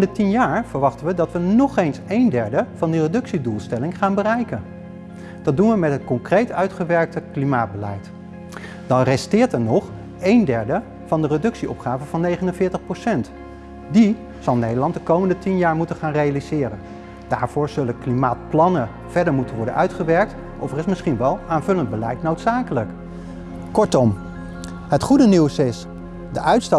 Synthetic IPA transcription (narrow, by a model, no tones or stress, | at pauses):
əndətinjaːɹv̥əɹʋɑχtənʋədɑtʋənɔχejnsejndɛɹdəv̥ɑndirədɵksidulˠstɛlɪŋχaːnbərɛjkən | d̥ɑt̚dunʋəmɛtɦətkɔŋkrejtœɥtχəʋɛɹk̚təklimaːd̚bəlɛ̰jt | d̥ɑnrɛstɪːɹtɛɹnɔχ | ejndɛɹdə | v̥ɑndərədɵksiɔ̰pχaːvəvɑnːejχənənvɪːɹtəχprosɛnt | di | z̥ɑlˠnejdəlɑntdəkowməndətinjaːɹmutənχaːnrejalizɪːɾən | d̥aːɹv̥ʊːɹz̥ɵləklimaːt̚plɑnə | v̥ɛɹdəɹmutənʋɔɹdə̰nʔœ̰ɥtχəʋɛɹk̚t | ʔɔfɛrɪsmɪsχinʋɛlˠaːnvɵlənd̚bəlɛjtnowtsaːkələk | kɔɹtɔm | ɦətχudəniwsɪs | dəʔœɥtstɑ